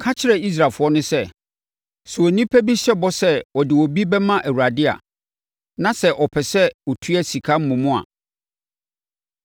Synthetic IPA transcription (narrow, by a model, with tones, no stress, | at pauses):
kʰa˦t͡ɕʰɪ˦ɾɛ˨i˦s̬ɾa˨lfʊ˨˦ɔ˦nʊ̃˦sɛ˦ | su˨ɔ˨nĩ˦pʰæ˦bi˦ɕɛ˦bɔ˦sɛ˦wɔ˨dɪ˨wɔ˨bi˦bɛ˦mã˦ʔæ˨wu˨ɾa˨dɪ˦a̰˨ | nã˨sɛ˦ʔɔ˨pʰɛ˨sɛ˦ɔ˨tʰu˦ɛ˦si˨kʰa˦m̩˦mʊ̃˨mʊ̃˦a̰˨